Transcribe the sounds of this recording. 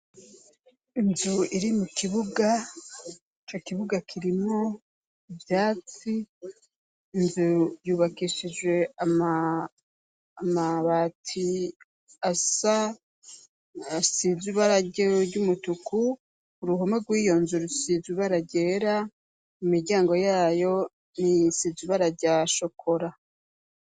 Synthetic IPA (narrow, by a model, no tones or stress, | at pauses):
inzuiɾimukʰiβuɡa | it͡ʃo̞kiβuɡakʰiɾimo | ivjaːt͡si | nzujuːβakiʃid͡ʒwe̞ama | maβatʰi | asa | siziβaɾaɟoɟumutukuː | ɾuɦomaɡwiːjo̞nzuɾusiziβaɾaɟe̞ːɾa | umiɾɟaːŋɡo̞jaːjo̞ | nisiziβaɾaɾɟaʃokʰo̞ɾa